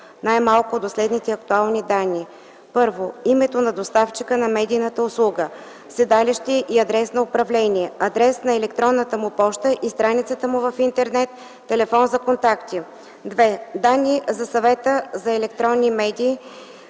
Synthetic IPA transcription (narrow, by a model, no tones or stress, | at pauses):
najmalˠkʊd̪oslɛd̪nit̪ɛɐk̚t̪ualˠnid̪anːi | pɤɾvoimɛt̪onɐd̪ost̪aft͡ʃikənɐmɛd̪ijnət̪əʊslˠuɡə | sɛd̪aliʃt̪iʔiɐd̪ɾɛsnɐʊpɾɐvlɛnʲiɛɐd̪ɾɛsnɐɛlɛkt̪ɾɔnːət̪əmʊpɔʃt̪əʔist̪ɾanit̪sət̪əmʊvəfint̪ɛɾnɛt̪ː | ɛlɛfɔnzɐkont̪akt̪i | d̪vɛd̪anːizɐsɐvɛt̪əzɐɛlɛkt̪ɾɔnːimɛd̪ʲiː